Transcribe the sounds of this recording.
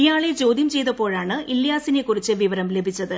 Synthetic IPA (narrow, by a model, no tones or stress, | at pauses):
ijaːɭet͡ɕo̞ːd̪jɐmt͡ɕe̞jt̪ɐpo̞ːɻaːɳɨʔilːjaːsine̞kːurit͡ɕːɨʋiʋɐɾɐmle̞bʱit͡ɕːɐðɨ